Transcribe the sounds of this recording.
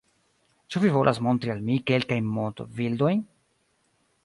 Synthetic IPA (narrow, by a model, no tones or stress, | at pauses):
t͡ʃuvivolʔasmo̞nt̪ɾialmikelkajnmot̪ovild̪o̞j